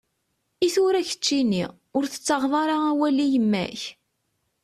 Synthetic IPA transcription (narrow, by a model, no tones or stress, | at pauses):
iθʊɾæçə̥t͡ʃːinḭ | ʊɾθə̥t͡sːəʁðˤɑɾˤɑæwælijəmːæ̰ç